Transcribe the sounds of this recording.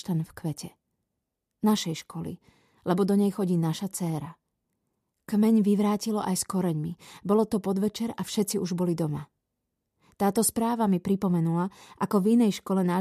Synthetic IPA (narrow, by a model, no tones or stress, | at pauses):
t̪anfkʋɛcɛ | naʃɛjʃkʰɔlḭ | lɛbɔd̪ɔɲɛjxɔɟiːnaʃat͡sɛːɾa | kmɛɲʋiʋɾaːcilɔʔajskɔɾɛɲmibɔlɔt̪ɔpɔd̪ʋɛt͡ʃɛɾafʃɛt̪t͡siʔuʒbɔlid̪ɔma̰ | t̪aːt̪ɔspɾaːʋamipɾipɔmɛnulaʔakɔvinɛjʃkɔlɛnaː